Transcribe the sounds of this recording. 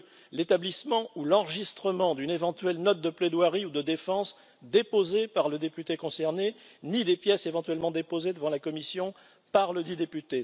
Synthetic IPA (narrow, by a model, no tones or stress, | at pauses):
let̪ablismɑ̃ulɑ̃ʁəʒist̪χəmɑ̃d̪ynevɑ̃t̪ɥɛlnɔt̪̚d̪əpled̪waʁiud̪əd̪efɑ̃s | d̪epozepaʁləd̪epyt̪ekɔ̃sɛʁnenid̪epjɛsevɑ̃t̪ɥɛlmɑ̃d̪epozed̪əvɑ̃lakɔmisjɔ̃ | paʁləd̪id̪epyt̪e